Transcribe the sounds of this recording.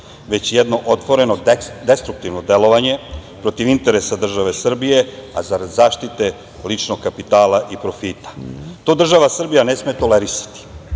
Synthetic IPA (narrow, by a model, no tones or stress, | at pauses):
ʋe̞t͡ɕjɛd̪no̞ʔot̪ʋo̞ɾe̞nod̪est̪ɾuk̚t̪iʋno̞d̪elo̞ʋaɲe̞pɾo̞t̪iʋint̪eɾesad̪r̩ʒaʋe̞sr̩bije̞a̰zaɾad̪zaːʃt̪it̪e̞ | lit͡ʃno̞ɡkapit̪aːlaʔipɾofiːt̪ḁt̪oːd̪r̩ʒaʋasr̩bijane̞smet̪o̞leɾisḁt̪i̥